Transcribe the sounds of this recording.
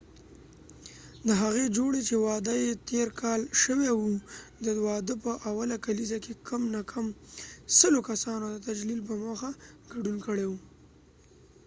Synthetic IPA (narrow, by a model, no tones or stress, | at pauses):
d̪əɦaɣed͡ʒoɽet͡ʃewɑd̪əjet̪eɾkʰɑlʃəwewud̪əwɑd̪əpəʔawalakalizakekʰəmnakʰamsəlokasɑnod̪ət̪ad͡ʒlilp̬əmoxaɡ̥aɖunkəɽewu